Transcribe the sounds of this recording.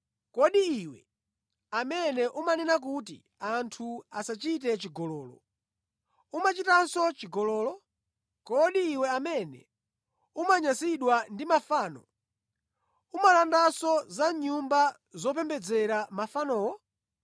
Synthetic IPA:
kɔɗiiwɛ | amɛnɛʔumanɛnak̬ut̬ḭ | antʰuasat͡ʃit̬ɛt͡ʃiɡɔlɔːlɔ̰ | umat͡ʃitansɔt͡ʃiɡɔlɔːlɔ | kɔɗiːwɛamɛnɛ̰ | umaɲasiɗwandimafaːnɔ | umalandasɔzaɲumba | zɔp̬ɛmbɛd͡zɛɾamafanɔːwɔ

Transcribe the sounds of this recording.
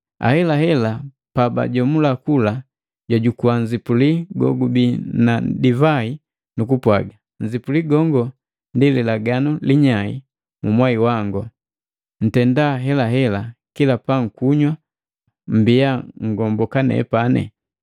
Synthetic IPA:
a̰hɛlaɦɛla | paba̰ɟɔmulakula | ɟaɟukuwaɲzipuliɡɔ̰ɡubinadivai | nukupwaɡa | ɲd͡ʒipuliɡɔŋɡɔ | ndililaɡanuliɲaḭ | mumwaiwaŋɡɔ | n̩tɛndaɦɛlaɦɛlakilapaŋ̩kuɲwa | m̩biaŋɡɔmbɔkanɛ̰panɛ̰

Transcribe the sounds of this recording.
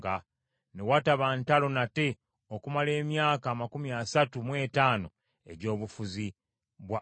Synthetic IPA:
ɡa | newataβantalo̞nate̞ | okumale̞ːmjaːkaːmakumiasatumwe̞ːtaːno̞ | e̞ɟo̞ːβufuzi | βwa

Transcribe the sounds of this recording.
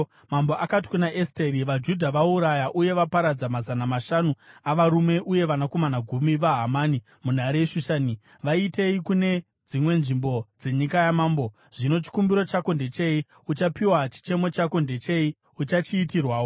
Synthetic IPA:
mamboʔakati̥kunaʔesteɾiʋad͡ʒudʱaʋauɾajaʔuje̞ʋapaɾad͡zamazanamaʃanuaʋaɾume̞ʔuje̞ʋanako̞manaɡʱumiʋaɦamaːni | mun̤aɾeʃuʃaːni | ʋaite̞ikune̞ | d͡zimwe̞nʐimbo̞d͡ze̞ɲikajamaːmbo̞ | ʐ̥ino̞t͡ʃi̥kumbiɾo̞t͡ʃakondet͡ʃe̞i | ut͡ʃapiwat͡ʃi̥t͡ʃe̞mo̞t͡ʃakonde̞t͡ʃe̞i | ut͡ʃat͡ʃiːtirwaːwo

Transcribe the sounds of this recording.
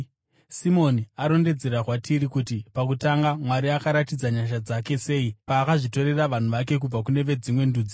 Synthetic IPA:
simo̞niaɾo̞nde̞d͡ze̞ɾarwatʰiɾikutipak̬utaŋɡamwaɾiakaɾatid͡zaɲaʃ̬ad͡zake̞se̞ːipaːkaʐito̞ɾe̞raʋan̤uʋake̞k̬ub͡vakune̞ʋe̞d͡zimwe̞nduːd͡zi

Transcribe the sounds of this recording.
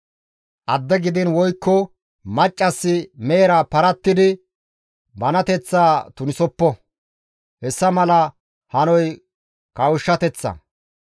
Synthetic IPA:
ʔɐd̪ːɛɡɪd̪ɪnwɔjkːɔ | mɐt͡ʃʼːɐsːɪmeːɾapɐɾɐt̪ːɪd̪ɪ | bɐnɐt̪ɛt͡sːaːt̪ʊnɪsɔpːɔ | hɛsːɐmɐlɐ | hɐnɔj | kɐwʊʃːɐt̪ɛt͡sːɐ̰

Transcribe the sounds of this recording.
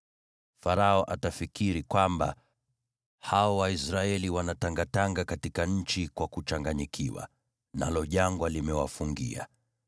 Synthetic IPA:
faɾaɔʔatafikiɾikwamba̰ | haɔwaisɾaɛliwanataŋɡataŋɡakatikaɲ̩t͡ʃikwakut͡ʃaŋɡaɲikʰiwa̰ | nalɔʄaŋɡwalimɛwa̰fuŋɡḭa̰

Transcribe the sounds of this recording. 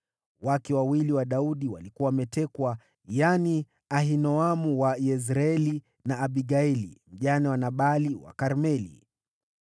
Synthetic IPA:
wakɛwawiliwaɗauɗiwa̰likuawamɛtɛkwa | jani | aɦinɔamuwajɛz̬ɾaɛli | naːɓiɡaɛlḭm̩ʄanɛwanaɓaliwa̰kaɾmɛlḭ

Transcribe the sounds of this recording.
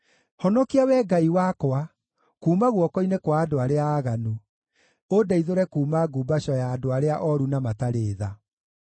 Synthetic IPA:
hɔnɔkiawɛɡaiwakwa | kuːmaɣwɔkɔinekwaːdoaɾeaːɣanu | odaiðoɾɛkuːmaɡuːbaɕɔjaːdoaɾeaʔɔɾunamataɾeːða

